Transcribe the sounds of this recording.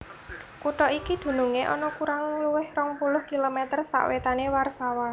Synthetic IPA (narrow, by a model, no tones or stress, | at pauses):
kuʈɔʔikid̪̥ṳnuŋeʔɔ̰nɔkuɾaŋluwɪhrɔŋpulʊhkilomɛt̪ərsa̰ʔwet̪anewarsawa